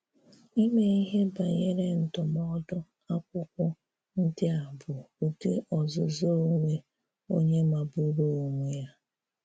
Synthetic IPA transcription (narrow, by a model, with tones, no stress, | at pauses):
i˦me˨˦i˦ɦe˦ba˨ɲe˦ɾe˦n̩˨tʊ˨mɔ˦dʊ˦ | a˦kʷʊ˦kʷʊ˦ | n̩˦dɪ˦a˨bʊ˨u˨te˦ʔɔ˨zʊ˨zo˦ŋʷe˦ | o˦ɲe˦ma˨bʊ˦ɾo˦o˨ŋʷe˦ja˦